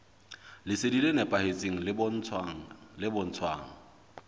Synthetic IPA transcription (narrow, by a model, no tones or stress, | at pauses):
lɪsedilenɛpʼahet͡sʼeŋ̩lɪbn̩ʰ | lɪbʊn̩t͡sʰwa̰ːŋ̩